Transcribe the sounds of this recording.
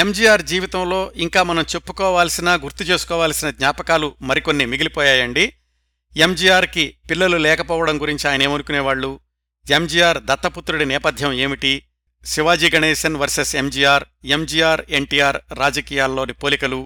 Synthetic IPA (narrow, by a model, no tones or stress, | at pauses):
emd͡ʒijaːɾd͡ʒiːʋit̪ɐmlo̞ːʔiŋkaːmɐnɐmt͡ʃe̞pːu̥kɔːʋaːlɐsinaːɡuɾt̪it͡ʃe̞ːsu̥kɔːʋaːlɐsinɐd̪ɲaːpɐkaːlumɐɾiko̞nːimiɡilipɔːjaːjɐɳɖi | e̞md͡ʒiːjaːɾkipilːɐlulɛːkɐpɔːʋɐɽɐmɡuɾiɲt͡ʃiaːjɐne̞ːmɐnukunɛːʋaːɭːu | e̞md͡ʒiːjaːɾd̪ɐt̪ːɐput̪ːɾuɽinɛːpɐd̪ʱjɐme̞ːmiʈi | siʋaːd͡ʒiːɡɐneːʃɐnʋɐɾsese̞md͡ʒiːjaːɾ | e̞md͡ʒiːjaːɾeɳʈiːjaːɾːaːd͡ʒɐkiːjaːlːo̞ːnipoːlikɐlu